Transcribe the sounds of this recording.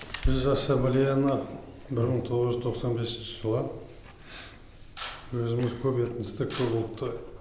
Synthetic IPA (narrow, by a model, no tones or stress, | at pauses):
bɪzɑsɑmblʲijanə | bɪɾməɴt̪ʰo̞ʁəzʒʏzt̪ʰo̞qsɑnbe̞sɪnʃɪʒəlˠə | wɵzɪmɪzkʲʰɵpet̪ɪnɪst̪ekʲʰɵpolˠt̪ːə